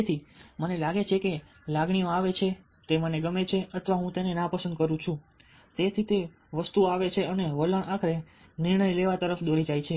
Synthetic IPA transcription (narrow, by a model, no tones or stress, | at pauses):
t̪ʰimənelaɡet͡ʃʰeke | laɡɳijoaʋet͡ʃʰe | t̪eməneɡəmet͡ʃʰeət̪ʰʋaɦũt̪enenapəsənd̪kəɾũt͡ʃʰũ | t̪et̪ʰit̪e | ʋəst̪uaʋet͡ʃʰeəneʋələɳakʰɾe | niɾɳəjleʋat̪əɾəfd̪oɾid͡ʒajt͡ʃʰe